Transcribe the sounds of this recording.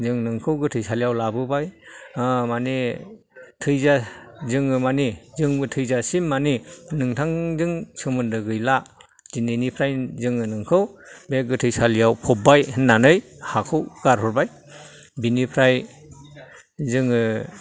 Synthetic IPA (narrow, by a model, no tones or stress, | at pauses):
zɯŋnɯŋkʰɯwɡɯtʰɯjsalijawlabɯbaj | mane | tʰɯjzazɯŋɯmanizɯŋbɯtʰɯjzasimːaninɯŋtʰaŋzɯŋsɯmɯndɯɡɯjla | zinenipʰɾajzɯŋɯnɯŋkʰɯwbeɡɯtʰɯjsalijawpʰɔp̚ːajhnanɯjhakʰɯwɡ̥aɾɦɔɾbaj | binipʰɾaj | zɯŋɯ